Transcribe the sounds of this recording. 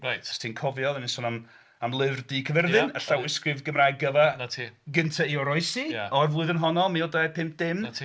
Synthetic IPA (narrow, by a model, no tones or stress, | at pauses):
rajtstʰinkʰɔvjɔðanisɔnam | amlˠɪvrdiːkʰəvɛrðɨnəɬawɪskrɪvɡəmrajɡəvaatʰiɡəntʰaiɔɾɔɨsijaɔrvlˠʊɨðənɦɔnɔlˠmiodapʰɪmp̚d̥ɪmʰ